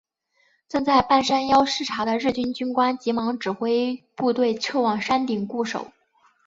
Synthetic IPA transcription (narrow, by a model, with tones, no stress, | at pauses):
ʈ͡ʂɤ˥˧ŋt͡sa˥˧ɪpa˥˩nʂa˥njɑ˥ʊʂɻ̩˥˩ʈ͡ʂʰa˧˥d̪ə˧ɻ̩˥˩t͡ɕy˥nt͡ɕy˥nkwa˥nt͡ɕi˧˥mɑ˧˥ŋʈ͡ʂɻ̩˨˩xwe˥ɪpu˥˧t̪we˥˧ɪʈ͡ʂʰɤ˥˩wɑ˨˩ŋʂa˥nt̪i˨˩ŋku˥˩ʂo̰˨˩˦ʊ